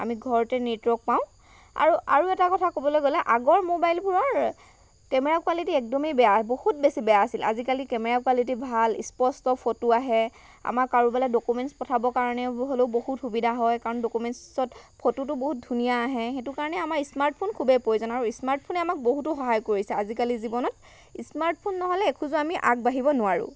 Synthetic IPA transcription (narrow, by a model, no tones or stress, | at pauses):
a̰miɡʱɔɹɔtɛnitɹɔk̚paʊ̃ | a̰ɹua̰ɹuɛtakɔtʰakobɔlojɡolɛʔaɡɔɹmobajlbʱuɹɔɹ | kɛmɛɹakualitiɛk̚dɔmibɛjaɦɛbohut̚besibɛjaːsilʔa̰zikalikɛmɛɹakualit̬ibʱalḭspɔstɔpʰotuaɦɛ | a̰maɹkaɹubaladɔkumɛntspɔtʰabɔkaɹɔnɛɦoleʊbohutxubidʱaɦɔjkaɹɔndɔkumɛnssɔtpʰotutʊboɦut̚dʱunijaːɦɛxetʊkaɹɔnɛamaɹismaɹt̚pʰonkʰubɛpojzɔnaɹuismaɹt̚pʰonɛamak̚boɦutʊxɔɦajkoɹisɛazikalizibɔnɔt̚ | ismaɹt̚pʰonːɔɦɔlɛekʰuzɔamiʔa̰k̚baɦibɔnʊwaɹʊ̰